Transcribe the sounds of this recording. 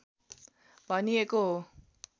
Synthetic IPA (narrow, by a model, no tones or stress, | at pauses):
bʱʌnieko